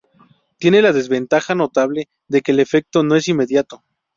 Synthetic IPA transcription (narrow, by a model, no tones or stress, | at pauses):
t̪je̞ne̞laðe̞zβe̞nt̪axano̞t̪aβle̞ | ðe̞keːle̞fe̞k̚t̪o̞no̞e̞simːe̞ðjat̪o̞